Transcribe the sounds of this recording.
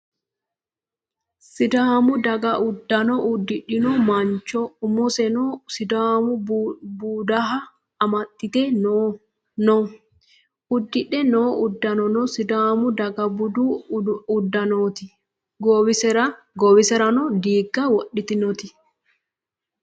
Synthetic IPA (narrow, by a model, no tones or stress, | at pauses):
sɪd̪aːmʊd̪ɐɡɐʔʊd̪ːɐnɔʔʊd̪ːɪɗɪnɔmɐnt͡ʃːɔʊmɔsɛnɔsɪd̪aːmʊbuːd̪ɐɦɐː | mɐt̪ʼːɪt̪ɛno | nɔ | ʊd̪ːɪɗɛnoːʔʊd̪ːɐnɔnɔsɪd̪aːmʊd̪ɐɡɐbʊd̪uʊd̪ːɐnoːt̪ɪ | ɡowɪsɛɾɐ | ɡɔwɪsɛɾɐnɔd̪iːɡːɐwɔɗːɪt̪ɪnɔt̪ɪ